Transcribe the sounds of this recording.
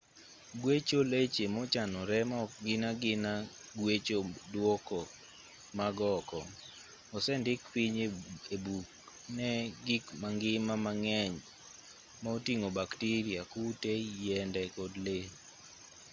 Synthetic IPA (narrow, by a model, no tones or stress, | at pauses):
ɡwet͡ʃolet͡ʃemot͡ʃanɔɾɛmɡɪnaɡɪna | ɡwet͡ʃodwɔkɔ | maɡɔkɔ̰ | ɔsɛndɪkpiɲebuk̚ | nɛɡikmaŋɡɪmamaŋɛɲ | maotiŋobaktiɾiakutejɛndɛkɔdle